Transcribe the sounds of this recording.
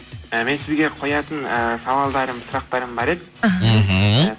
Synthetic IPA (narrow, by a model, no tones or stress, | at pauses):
əme̞nsɪzɡʲe̞qʰo̞jɑt̪ənəsɑvɑlˠd̪ɑɾəmsʊɾɑq̚t̪ɑɾəmbɑɾe̞d̪ɪɦ